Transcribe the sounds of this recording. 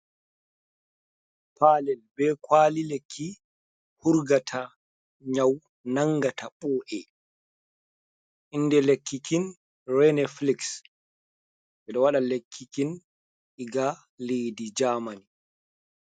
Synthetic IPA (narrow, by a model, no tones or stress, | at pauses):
pʰalɛlbɛkwaːlilekʰːi | huɾɡatʰa | ɲaw | naŋɡataɓɔːʔɛ | ʔinːdɛlekːikin | rɛnɛfliks | ɓɛɗɔwaɗalekʰːikin | ʔiɡa | lejdid͡ʒaːmani